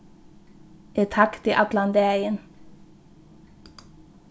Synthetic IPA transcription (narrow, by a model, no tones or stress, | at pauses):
et̪ʰɑkt̪iːʔɑt̪lɑnd̪eːɪən